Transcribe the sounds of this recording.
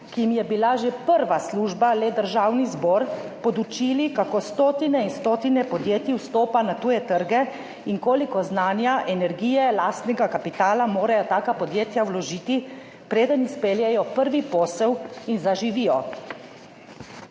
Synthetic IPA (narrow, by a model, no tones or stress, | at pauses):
kiimjɛbilaʒepəɾʋasluːʒbalɛd̪əɾʒaːwnizbɔːɾpɔd̪ut͡ʃilikakoːst̪oːt̪inɛinst̪oːt̪inɛpɔd̪jeːt̪jiwst̪oːpanat̪uːjɛt̪əɾɡɛ | iŋkoːlikɔznaːnjaʔɛnɛɾɡiːjɛlaːst̪nɛɡakapit̪aːlamoːɾajɔt̪aːkapɔd̪jeːt̪jawlɔʒiːt̪i | pɾeːd̪ənispeːljɛjɔpəɾʋipɔːsɛwinzaʒiʋijɔ